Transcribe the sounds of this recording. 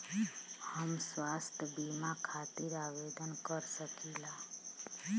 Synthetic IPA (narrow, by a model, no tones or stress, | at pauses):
həmswast̪ʰjəbimakʰat̪iɾaʋed̪ənkəɾsəkila